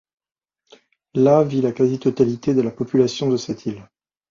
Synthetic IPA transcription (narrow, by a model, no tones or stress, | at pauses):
lavilakazit̪ɔt̪alit̪ed̪əlapɔpylasjɔ̃d̪əsɛt̪ʰil